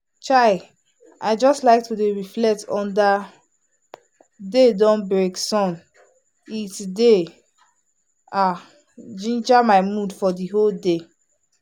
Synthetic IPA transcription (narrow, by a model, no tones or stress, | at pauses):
t͡ʃaɪ | a̰ɪd͡ʒɔstlaɪk̚tʰudeɹiflɛtʰɔ̃nda | dedɔ̃nbɹeksɔ̃n | itde | a | d͡ʒĩnd͡ʒamaɪmudfɔdiɦolde